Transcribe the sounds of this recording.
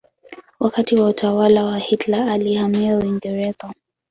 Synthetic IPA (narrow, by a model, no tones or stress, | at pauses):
wakatiwautʰawalawahitlaːlihamiauiŋɡɛɾɛzɔ